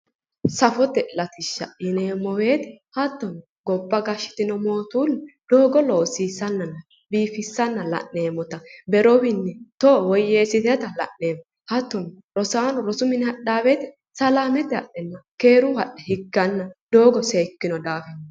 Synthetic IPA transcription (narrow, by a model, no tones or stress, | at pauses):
sɐfɔt̪ɛlɐt̪ɪʃːɐ̰ɪneːmːɔwe̞ːt̪ɛ̥hɐt̪ːɔn | ɡɔbːɐɡɐʃːɪ̥t̪ɪnɔmo̞ːt̪uːlːd̪̥oːɡɔloːsiːsɐnːɐnːɐ | biːfɪsːɐnːɐlɐ̰ʔːeːmɔt̪ɐbɛɾɔwɪnːɛt̪ɔwɔje̞ːsɪt̪ɛt̪ɐlɐ̰ʔːeːmɔ | hɐt̪ːɔn | ɾɔsaːnʊɾɔsʊmɪnhɐɗaːbeːt̪ɛ | sɐlaːmɛt̪ɛhɐ̰ɗɛnːɐke̞ːɾʊhɐɗɛhɪɡːɐnːɐd̪̥o̞ːɡɔseːkːɪnɔd̪aːfɛnː